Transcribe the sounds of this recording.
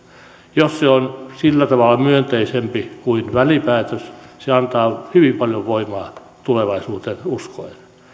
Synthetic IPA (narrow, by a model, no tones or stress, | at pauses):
josseonsilːæt̪ɑʋɑlːˑɑmyønt̪eisempikuinʋælipæːt̪øsseɑnt̪ɑːhyʋimpɑljoʋʋoimɑː | t̪uleʋɑisuːt̪enuskoin